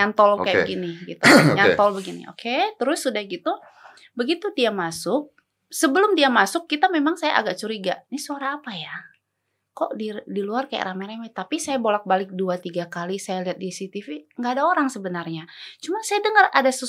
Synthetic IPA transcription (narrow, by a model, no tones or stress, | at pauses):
ɲant̪ɔlkajabə̰ɡinɪɡit̪uɲant̪ɔlbəɡinḭo̰ket̪əɾʊsːudahɡit̪u | bəɡit̪udiamasʊk̚ | səbəlʊmdiamasʊkːit̪amemaŋsaja̰ʔa̰ɡaʔt͡ʃuɾiɡa̰nisuaɾaːpaja | kɔʔdidiluarkaja̰ʔɾamaɾamat̪apisajabolak̚balɪk̚duat̪iɡakalisajaliɦat̪̚disit̪ifiŋɡaːdaoɾaŋsəbənarɲat͡ʃumansajadəŋəradasə